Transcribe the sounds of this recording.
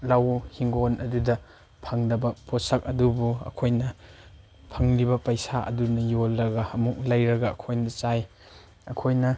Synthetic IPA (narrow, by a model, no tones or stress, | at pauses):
lɐwhiŋɡonɐdudɐ | pʰɐŋdɐbɐpʰosɐk̚ɐdubuɐ̰kʰojnɐ | pʰɐŋlibɐpɐjsaʔɐ̰dunɐjolːɐɡɐɐmuk̚lɐjɾɐɡɐɐ̰kʰojnɐt͡ʃaj | ɐkʰojnɐ